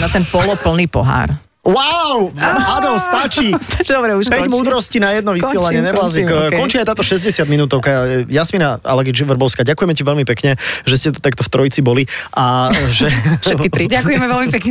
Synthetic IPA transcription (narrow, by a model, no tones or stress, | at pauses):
nat̪ɛnpɔlɔpl̩niːpɔɦa̰ːɾ | waʊad̪ɔst̪at͡ʃist̪at͡ʃid̪ɔbɾɛupɛɟmuːd̪ɾɔscinajɛd̪nɔʋisiɛlaɲɪɛɲɛbɔlazikkɔnt͡ʃiːajt̪aːt̪ɔʃɛzɟɛsɪad̪minuːt̪ɔʊkajasminaa̰lɛɡid͡ʒʋr̩bɔʊskaɟakujɛmɛciʋɛlmipɛkɲɛʒɛscɛt̪ɔ̥t̪akt̪ɔft̪ɾɔjit͡sibɔliʔaʒɛʃɛkit̪ɾiakujɛmɛʋɛlmipɛkɲɛ